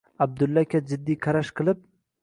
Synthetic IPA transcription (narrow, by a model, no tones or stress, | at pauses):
ab̚d̪ʊlːakʲad͡ʒɪd̪ːiqʰɑɾaʃqʰɨlˠɪp̚